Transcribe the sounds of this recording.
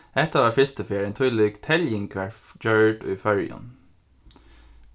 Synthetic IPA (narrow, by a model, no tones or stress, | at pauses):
ɛt̪ɑːʋɑːfɪst̪əfeːɾeːnt̪ʰʉləɡt̪ʰɛljɪŋkʰʋæd͡ʒœɖo̰ifœɹjɔ̰n